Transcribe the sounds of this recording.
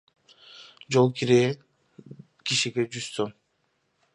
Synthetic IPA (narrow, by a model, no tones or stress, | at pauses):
d͡ʒolˠkiɾe | kiʃiɡed͡ʒyst̪om